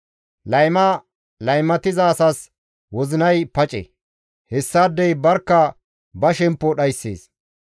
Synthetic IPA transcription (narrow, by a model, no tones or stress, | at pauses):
lɐjmɐ | lɐjmɐt̪ɪzaːsɐs | wɔzɪnɐjpɐt͡ʃʼḛ | hɛsːaːd̪ːɛjbɐɾkːɐ | bɐʃɛmpːɔɗɐjsːḛːs